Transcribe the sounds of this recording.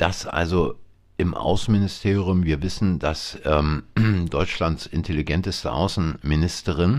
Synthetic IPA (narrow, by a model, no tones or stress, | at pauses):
d̥asʔa̰lzo | ʔɪmʔa̰ʊsn̩mɪnɪstʰeːʁjʊmviːɐvɪsn̩dasʔɛːmd̥ɔʏt͡ʃlantsʔɪntʰeliɡɛntəstə̰ʔa̰ʊsn̩mɪnɪstəʁ̞ɪn